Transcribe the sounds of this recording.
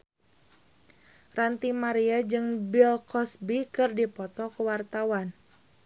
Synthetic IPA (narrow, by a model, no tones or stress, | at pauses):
rant̪imaɾiad͡ʒɨŋbilkɔsbikɨrdipɔt̪ɔkəwart̪awan